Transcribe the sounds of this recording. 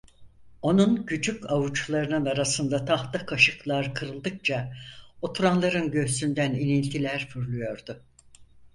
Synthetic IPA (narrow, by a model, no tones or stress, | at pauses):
o̞nunɟyd͡ʒycavut͡ʃlˠaɾɯnɯnaɾasɯnd̪at̪ʰaht̪akʰaʃɯklˠaɾkʰɯɾɯlˠd̪ɯk̚t͡ʃʰaot̪ʰuɾanlˠaɾɯnɟø̞ɦsynd̪æninilʲt̪ʰilʲæɾfyɾlʲˠujo̞ɾd̪ʊ